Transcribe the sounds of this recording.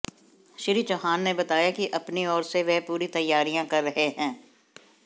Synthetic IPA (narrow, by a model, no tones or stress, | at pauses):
ʃɪɾiːd͡ʒɔːɦaːnːebɐt̪aːjakiʔɐpniɔːɾseʋɛpuːɾit̪ɐjːaːɾijãkɐɾːɐɦeɦɛ̃ː